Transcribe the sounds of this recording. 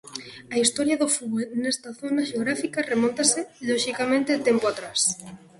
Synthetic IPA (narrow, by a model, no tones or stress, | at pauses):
ɐist̪oɾjaðʊfuβɔlnest̪aθonaʃeoɣɾafikaremõnt̪asɪʎoʃikamẽnt̪et̪empoat̪ɾas